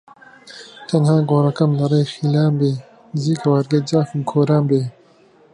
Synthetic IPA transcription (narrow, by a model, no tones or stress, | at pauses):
t̪ʰɐnhaːɡoːɾɐkɐmlɐɾeːxiːlaːmbeː | ziːkɐwɐɾɡed͡ʒaːkɨmkʰoːɾaːmbeː